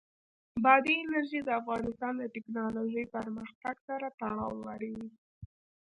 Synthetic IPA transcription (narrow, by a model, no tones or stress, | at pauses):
bɑd̪iɪnaɾʒid̪əafɣɑnɪst̪ɑnd̪əʈɪknɑloʒəjpəɾməxt̪aɡsaɾat̪aɽɑwlaɽawi